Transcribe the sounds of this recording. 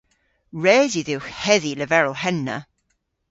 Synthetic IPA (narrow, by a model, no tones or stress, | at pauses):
ɹɛːziðɪxhɛðiləvɛɹəlˠɦɛnːə̰